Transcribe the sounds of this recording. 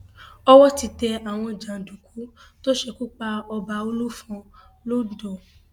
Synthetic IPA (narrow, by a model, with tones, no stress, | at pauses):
ɔ˦wɔ˦ti˧tɛ˧a˨w̃ɔ̃˧˨d͡ʒã˨dũ˨ku˨˦to˦ʃɛ˧ku˦k͡pa˧ɔ˧ba˧o˧lu˦fɔ̃˧lo˦˨dɔ˨